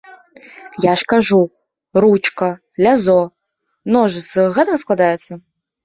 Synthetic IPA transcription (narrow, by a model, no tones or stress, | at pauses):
jaʂkaʒu | rut͡ʃkʰɐ | lʲazo | mnoʒɨsɨɣɛt̪ʰasklˠad̪ajɛt̪sʰɐ